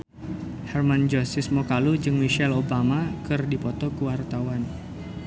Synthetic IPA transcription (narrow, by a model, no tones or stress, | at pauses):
hɛrmand͡ʒɔsɪsmokalud͡ʒɨŋmiʃɛlobamakɨrdipɔt̪ɔkəwart̪awan